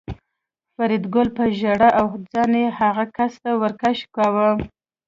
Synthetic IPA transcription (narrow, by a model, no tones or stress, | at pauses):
faɾid̪ɡʊlpəʒaɽaʔawhd͡zɑnehaɣakast̪awəɾkaʃkɑwə